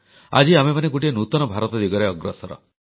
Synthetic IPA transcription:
a̰d͡ʒiamemaneɡoʈienut̪ɔnɔbʱaɾɔt̪ɔd̪iɡɔɾeɔɡɾɔsɔɾɔ̰

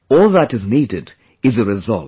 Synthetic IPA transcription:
ɔlˠðəɾɨznidɪd | ɨzɨɹɨzʌ̰lˠ

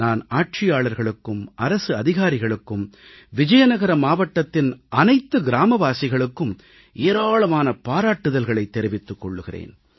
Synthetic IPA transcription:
naːnaːʈ̚t͡ʃɪjaːɭɐɾɣɐɭɯkːɯmɐɾɐsɯɐðɪɣaːɾɪɣɐɭɯkːɯm | ʋɪd͡ʒɐjɐnɐɣɐɾɐmaːʋɐʈːɐt̪ːɪnɐnɐɪt̪ːɯɡɪɾaːmɐʋaːsɪɣɐɭɯkːɯm | eːɾaːɭɐmaːnɐpaːɾaːʈːɯðɐlɣɐɭɐɪt̪ːɛɾɪʋɪt̪ːɯkːɔɭːɯɣɪrḛːn

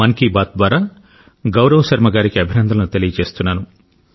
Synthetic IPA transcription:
ɐnkibaːt̪̚d̪ʋaːɾaː | ɡɐwɾɐʋɐʃɐɾmɐɡaːɾikiɐbʱinɐnd̪ʱɐlɐnut̪elijɐt͡ʃe̞ːst̪unːaːnu

